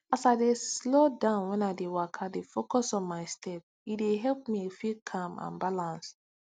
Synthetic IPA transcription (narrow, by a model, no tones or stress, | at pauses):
asaɪdeslodãʊ̃nwɛ̃naɪdewakʰadefokɔsɔ̃nmaɪstʰɛp | ideɦɛlpmiefikʰãmã̰nbalãns